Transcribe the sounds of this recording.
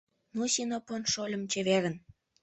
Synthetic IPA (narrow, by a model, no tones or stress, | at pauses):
nusinoponʃolʲə̆mt͡ɕeβeɾə̆n